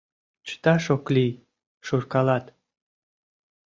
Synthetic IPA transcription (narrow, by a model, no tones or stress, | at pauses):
t͡ɕə̥t̪ɑʃoklij | ʃurkɑlɑt̪